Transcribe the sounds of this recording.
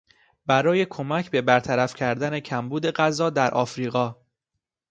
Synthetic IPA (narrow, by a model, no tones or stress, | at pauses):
bæɾɒːje̞kʰo̞mæcʰbe̞bæɾt̪ʰæɾæfcʰæɾd̪æne̞cʰæmbuːd̪e̞ɢæzɒːd̪æɾʔɒːfɾiːɣɒː